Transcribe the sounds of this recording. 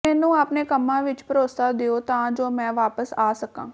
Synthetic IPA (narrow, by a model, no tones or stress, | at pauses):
ɛːnũːaːpneːkəmːãːʋɪt͡ʃpəɾoːsaːd̪eoːt̪ãːd͡ʒoːmɛ̃ːʋaːpəsaːsəkã̰ː